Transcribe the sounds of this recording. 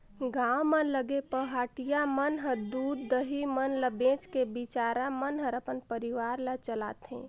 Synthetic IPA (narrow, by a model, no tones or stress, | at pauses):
ɡawmənləɡepəɦaːʈijamənɦəɾd̪uːd̪ːəɦimənləbẽːt͡ʃkebit͡ʃaːɾamənɦəɾəpənpəɾiʋaːɾlat͡ʃəla̰ːt̪ɦḛ̃